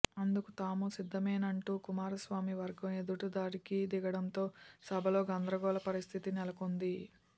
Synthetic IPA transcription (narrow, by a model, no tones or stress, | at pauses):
ɐnd̪ukut̪aːmusid̪ʱːɐmeːnɐɳʈuːkumaːɾɐsʋaːmiʋɐɾɡɐmed̪uʈud̪aːɾikid̪iɡɐɽɐnt̪o̞ːsɐbʱɐlo̞ːɡɐnd̪ɾɐɡɔːlɐpɐɾist̪ʰit̪inɛlɐkond̪i